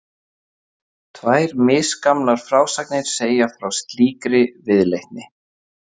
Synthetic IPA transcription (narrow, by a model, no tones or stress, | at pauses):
t̪ʰvaːjɾmɪskamlaɾ̥fɾaːwsajk̚nɪɾ̥seːjafɾawst̪liːkɾɪvɪðlejht̪nɪ